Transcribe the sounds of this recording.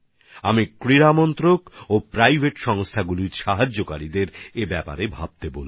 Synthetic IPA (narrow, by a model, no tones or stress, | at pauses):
amikɾiɾamɔnt̪ɾokopɾajbʱeʈʃɔŋst̪ʰaɡuliɾʃaɦad͡ʑːokaɾid̪eɾebɛpa̰ɾebʱab̚t̪ebolu